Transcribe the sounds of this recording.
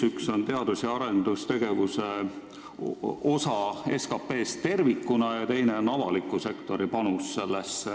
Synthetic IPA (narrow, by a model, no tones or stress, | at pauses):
ykso̞nt̪e̞ɑd̪̥usjɑɑɾe̞nd̪ust̪e̞ɡe̞vuse | o̞sɑe̞skɑpːe̞ːst̪e̞rvikːˑunɑjɑt̪e̞jne̞o̞nɑvɑ̰likːˑuse̞kt̪o̞ɾipɑnusːe̞lːesː